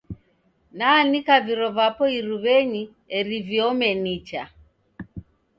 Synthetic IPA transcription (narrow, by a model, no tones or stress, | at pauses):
nanikaviɾɔvapɔiɾuβɛɲi | ɛɾiviɔmɛnit͡ʃa